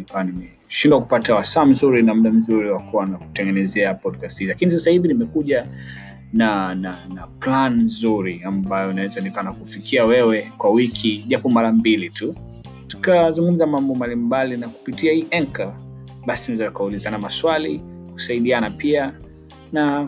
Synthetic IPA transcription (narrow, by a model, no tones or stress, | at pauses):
nikawanimɛ | ʃindwaku̥patawasaːm̩zuɾinam̩ɗam̩zuɾiwakuwanaku̥tɛŋɡɛnɛzɛapɔdkasthizlakinis̬asahivinimɛkuʄa | nananaplanzuɾiambajɔnawɛzanɛkanakufikʰiawɛwɛkwawikʰiʄapɔmaɾambilitu | tu̥kazuŋɡum̩zamambɔmbalimbalinaku̥pitiahiːʔɛŋka | ɓasiniwɛzanukaulizanamaswaliku̥saiɗianapia | na